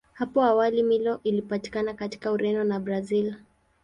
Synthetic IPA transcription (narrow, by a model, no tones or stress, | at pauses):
hapɔawalimilɔʔilipati̥kanakati̥kauɾɛnɔnabɾazil